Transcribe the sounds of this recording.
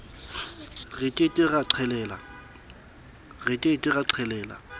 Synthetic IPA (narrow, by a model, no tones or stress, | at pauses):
ɣetʼɪtʼɪɣaǀʰɛlɛːla | ɣetʼɪtʼɪɣaǀʰɛlɛːla̰